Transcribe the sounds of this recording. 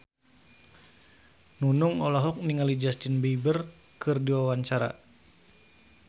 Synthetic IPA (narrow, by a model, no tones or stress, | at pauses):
nunuŋɔlɔɦɔk̚niŋalid͡ʒast̪inbeibər | kɨrdiwawaɲt͡ʃaɾa̰